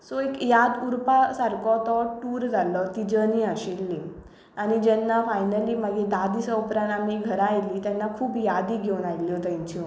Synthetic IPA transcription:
sɔekjad̪uɾpasaɾkɔt̪ɔʈuːɾd͡zʱalɔt̪id͡ʑəniaɕilːi | añid͡ʑɛnːafajnəlimaɡĩd̪ad̪isəpɾãnamiɡʱəɾajliːt̪jɛnːakʰuːpjad̪iɡʱewnajljɔt̪ãɲt͡ɕĩ

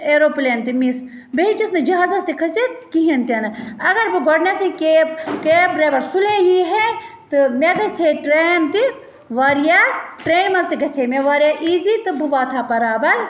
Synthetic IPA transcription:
eːɾoːpleːnt̪imis | beɦit͡ʃisnɐd͡ʒɐɦaːzɐst̪ikʰɐsekiɦɐnt̪iɐnɨɐɡɐɾbɨɡɔɽnɐt̪ʰikekebɾeːʋɐɾsulejiːɦe | t̪ɨmeɡɐsʰeʈɾeːnt̪i | ʋaːɾijaːʈɾeːnmɐnzt̪iɡɐsʰeːmeʋaːɾjaːʔiːzit̪ɨbubaːt̪ʰaːpɐɾaːbɐɾ

